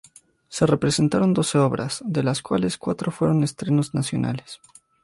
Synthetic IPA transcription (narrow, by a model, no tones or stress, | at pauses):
se̞re̞pɾe̞se̞nt̪aɾo̞nd̪o̞se̞o̞βɾʔa̰zðe̞laskwale̞skwat̪ɾofwe̞ɾo̞ne̞st̪ɾeno̞znasjo̞̰na̰les